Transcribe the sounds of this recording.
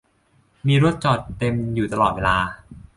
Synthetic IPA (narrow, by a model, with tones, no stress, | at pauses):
miː˧ɾu˥ət̪̚t͡ɕɔː˨˩t̪ːe˧mjuː˨˩t̪a˧lɔː˨˩weː˧laː˧